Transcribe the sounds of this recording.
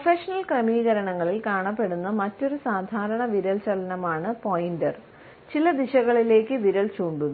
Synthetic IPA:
prɐfeʂɐnɐlkrɐmiːɣɐɾɐɳɐŋːɐɭilkaːɳɐpːe̞ɽunːɐmɐtːo̞ɾusaːd̪ʱaːɾɐɳɐʋiɾɐlt͡ɕɐlɐnɐmaːɳɨpoːjindɐr | t͡ɕilɐd̪iɕɐɣɐɭile̞ːkːɨʋiɾɐlt͡ɕuːɳɖuðɨ

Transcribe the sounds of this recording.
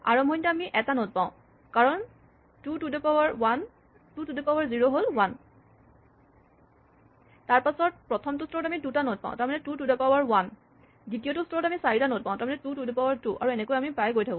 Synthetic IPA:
a̰ɹɔmɦɔjntaamiʔɛtanot̚pãʊ̃ | kaɹɔn | tutudɔpaaɹwan | tutudɔpawaɹziɹoɦolwan | taɹpasɔt̚pɹɔtʰɔmtʊstɔɹɔtamidutanot̚pã̰ʊ̃taɹmanɛtutudapawaɹwan | ditijotustɔɹɔtamisaɹitanot̚pãʊ̃taɹmɔnɛtutudɔpawaɹtuʔa̰ɹuɛnɛkojamipajɡojtʰakɔ̃

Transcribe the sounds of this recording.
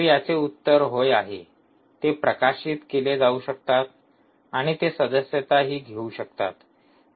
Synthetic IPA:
jat͡seut̪ːəɾɦojaɦḛ | t̪epɾəkaɕiːt̪keled͡zauɕək̚t̪at̪ | aɽ̃it̪esəd̪əsjət̪aɦiːɡʱeuɕəkt̪a̰t̪

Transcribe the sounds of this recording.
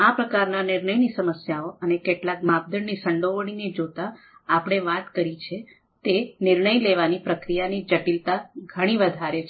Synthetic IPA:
apɾəkaɾnanɪɾnəjnisəməsjaoənekeʈlak̚mab̚d̪əɳnisəɳɖoʋəɽ̃ined͡ʒot̪aː | pɽ̃eʋat̪kəɾit͡ʃʰe | t̪enɪɾɳəjleʋanipɾəkɾijanid͡ʒəʈilt̪aɡʱəɽ̃iʋəd̪ʱaɾet͡ʃʰ

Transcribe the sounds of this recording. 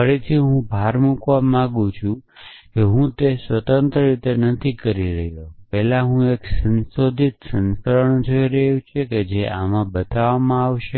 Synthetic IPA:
əɾet̪ʰiɦũbʱaɾmukʋãmãɡũt͡ʃʰũkeɦũt̪esʋət̪ənt̪ɾəɾit̪enət̪ʰikəɾiɾəɦjopɛɦlãɦũeksənsod̪ʱit̪sənsəɾəɳd͡ʒoiɾəɦjũt͡ʃʰeked͡ʒeʔa̰mãbət̪aʋamãaʋʃe

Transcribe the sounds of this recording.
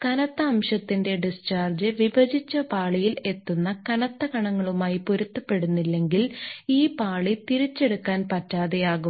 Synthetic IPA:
kɐnɐt̪ːɐːmɕɐt̪ːinde̞ɖist͡ɕaːrd͡ʑɨʋibɐd͡ʑit͡ɕːɐpaːɭijile̞t̪ːunːɐkɐnɐt̪ːɐkɐɳɐŋːɐɭumaːjipuɾut̪ːɐpːe̞ɽunːilːe̞ŋɡiliːpaːɭit̪iɾit͡ɕːe̞ɽukːaːnpɐtːaːðejaːɣum

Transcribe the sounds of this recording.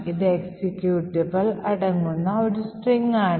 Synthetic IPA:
id̪eksikːjuːʈːibɐlɐɽɐŋːunːɐoɽusʈriŋːaːɳ

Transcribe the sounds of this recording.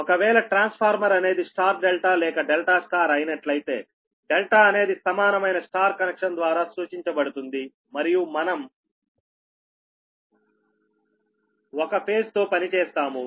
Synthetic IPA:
ɔkɐʋɛːlɐʈɾaːnspʰaːɾmɐɾɐne̞ːd̪isʈaːɾɖelʈaːlɛːkɐɖelʈaːsʈaːɾɐjnɐʈlɐjit̪e̞ː | ɖelʈaːɐne̞ːd̪isɐmaːnɐmɐjnɐsʈaːɾkɐnekʂɐnd̪ʋaːɾaːsuːt͡ʃiɲt͡ʃɐbɐɽut̪und̪i | mɐɾijumɐnɐm | ɔkɐpʰe̞ːst̪o̞ːpɐnit͡ʃɛːst̪aːmu

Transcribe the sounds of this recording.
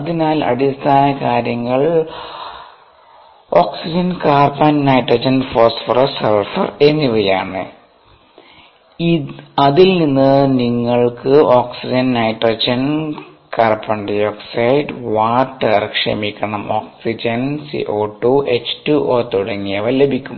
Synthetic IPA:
ɐðinaːlɐ̰ɽist̪ʰaːnɐkaːɾjɐŋːɐɭ | oːksid͡ʑɐnkaːrpannɐjʈroːd͡ʑɐnfoːsfɐrɐserfɐ̰renːiʋɐja̰ːɳɨ̰ | ɐðilninːɨniŋːɐɭkɨoːksid͡ʑɐnnɐjʈroːd͡ʑɐnkarpɐɳɖijoːksɐjɖʋaːʈːɐrkʂɐ̰mikʲːɐɳɐmoːksid͡ʑɐnsḭʔo̞ːʈːuʔet͡ɕtuʔoːt̪uɽɐŋːijɐʋɐle̞bʱikʲːum

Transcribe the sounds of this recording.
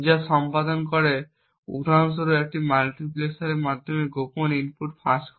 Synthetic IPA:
d͡ʒasɔmpad̪ɔnkɔɾe | ṵʈans̬ɔɾuek̚ʈimalʈiplesaɾemad̪ʱːɔmeɡopɔninpʰuʈpʰask

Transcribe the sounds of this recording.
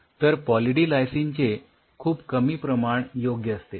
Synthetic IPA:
t̪əɾpɔliʈilajsint͡ɕe | kʰuːpkəmiːpɾəmaɳjoɡjəəst̪e

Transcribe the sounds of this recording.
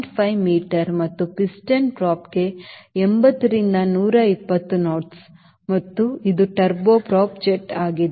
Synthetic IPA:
ʈpʰɐjmiːʈɐɾmɐt̪ːupisʈɐnpɾaːpɡe̞embɐt̪ːɐɾind̪ɐnuːɾɐipːɐt̪ːunoːʈs | mɐt̪ːuid̪uʈɐɾboːpɾaːpd͡ʒek̚ʈaːɡid̪e

